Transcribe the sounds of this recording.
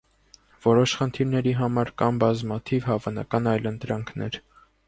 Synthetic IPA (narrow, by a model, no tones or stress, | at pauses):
vɔɾɔʃχənt̪ʰiɾnɛɾiɦɑmɑɾkɑmbɑzmɑt̪ʰivhɑvɑnɑ̰kɑnɑjlənt̪ɾɑŋkʰnɛ̰ɾ